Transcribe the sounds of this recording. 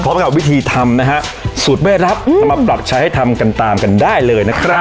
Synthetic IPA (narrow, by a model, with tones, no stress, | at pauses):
pʰɔː˦˥mka˨˩p̚wi˦˥t̪ʰiː˧t̪ʰa˧mna˦˥kʰa˦˥ | su˨˩t̪̚ba˥˩jɾa˦˥p̚sa˧˦mɾa˧˨˩pːɾa˨˩p̚t͡ɕʰa˦˥jha˥˩jt̪ʰa˧mka˧nt̪aː˧mka˧ndaː˥˩jlɤː˧jna˦˥kʰɾa˦˥